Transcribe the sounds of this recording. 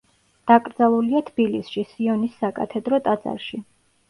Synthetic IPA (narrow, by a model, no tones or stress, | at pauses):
d̪̥akʼɾd̪zalˠuliat̪ʰb̥ilisʃisiɔnisːakʼat̪ʰɛd̪ɾɔt̪ʼad̪zʼa̰ɾʃi